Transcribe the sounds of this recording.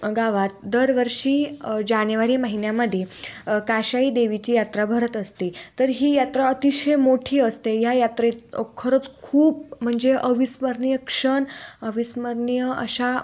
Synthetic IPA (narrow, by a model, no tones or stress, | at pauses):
ɡaʋat̪̚d̪əɾʋəɾʂiːd͡ʑanjʋaɾiːməɦinjaməd̪ʱjekaɕaid̪eʋit͡ɕiːjat̪ɾabʱəɾət̪əst̪it̪əɾɦiːjat̪ɾaət̪iɕejmoʈʰiːəst̪ejajat̪ɾekʰəɾət͡skʰuːp̚m̤əɳd͡zeʔəʋisməɾnjəkʂəɳəʋisməɾnijəə̰ɕa